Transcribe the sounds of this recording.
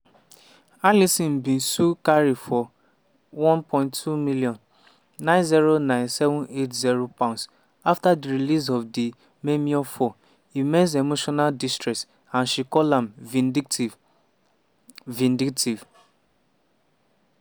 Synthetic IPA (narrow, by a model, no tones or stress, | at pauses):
alisĩm̩bĩn̩sukaɾifɔ | wɔ̃npʰɔ̃ɪ̃nttʰːumiliɔ̃nː | ãɪ̃nziɾonãɪ̃nsɛvʊ̃netziɾopãʊ̃ns | aftadiɾilis̬ɔfdi | memiɔfɔ | imens̬emoʃɔnaldistɹɾɛks | ãnʃikɔlãm | vĩndiktʰiv